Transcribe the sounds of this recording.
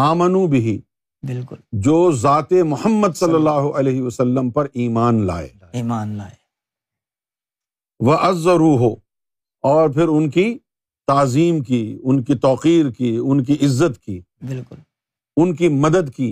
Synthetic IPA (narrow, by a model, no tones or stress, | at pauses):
aːmənũbɪɦi | bɪlkʊld͡ʒoːzaːt̪emʊhəmːəd̪sɐlːəlːaːɦoʔɐleːɦɪʋɐsɐlːəmpɐɾiːmaːnla̰ːḛː | aːnː | ʋɐʔɐzːɐɾuːɦʊ | ɔːɾpʰɪɾʊnki | t̪aːziːmkiʊnkit̪ɔːqiːɾkiʊnk̬iʔɪzːət̪kiː | bɪlkʊl | ʊnkimɐd̪əd̪kiː